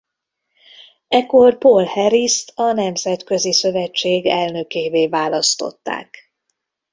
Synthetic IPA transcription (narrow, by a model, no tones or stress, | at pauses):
ɛkːo̞rpolhɛɾist̪ɒnɛmzɛt̪kø̞zisø̞vɛt͡ʃːeːɡɛlnø̞keːveːvaːlɒst̪o̞̰t̪ːa̰ːk